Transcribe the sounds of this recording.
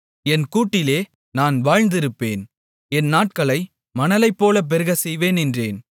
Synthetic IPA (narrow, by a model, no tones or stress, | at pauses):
ɛnkuːʈːɪleː | naːnʋaːɻnd̪ɪɾɯpːeːn | ɛnːaːʈ̚kɐɭɐɪ | mɐnɐlɐɪpːoːlɐp̬ɛɾɯɣɐsɛjʋeːnɛndreːn